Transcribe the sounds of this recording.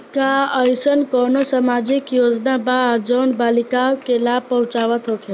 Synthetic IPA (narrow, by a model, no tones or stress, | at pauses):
kaəjsənkɔnosamad͡ʒikjod͡ʒnabad͡ʒənbalikaokelab̚pəɦʊ̃t͡ʃaʋət̪ɦokʰe